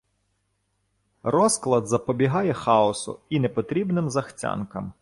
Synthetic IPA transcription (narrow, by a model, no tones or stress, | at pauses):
rɔsklˠɐd̪zɐpɔbʲiɦɑjɛxɑɔsʊ̰inɛpɔt̪ɾʲibnɪmzɐxt͡sʲɑ̰nkɐm